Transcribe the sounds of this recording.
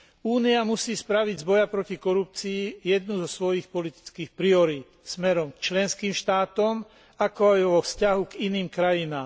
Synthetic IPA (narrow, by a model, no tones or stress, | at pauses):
uːniamusiːspɾaʋiɟzbɔjapɾɔcikɔɾup̚t͡siːjɛd̪̚nuzɔsʋɔjixpɔlit̪i̥t͡skiːxpɾiɔɾiːt̪smɛɾɔmkt͡ʃlɛnskiːmʃt̪aːt̪ɔm | akɔajʋɔfscaɦuɡiniːmkɾajinaːm